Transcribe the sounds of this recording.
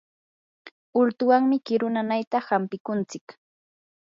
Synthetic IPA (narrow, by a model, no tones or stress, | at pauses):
ʊlt̪ʊwaŋmɪkɪɾʊnanajt̪ahampɪkʊnt͡sɪk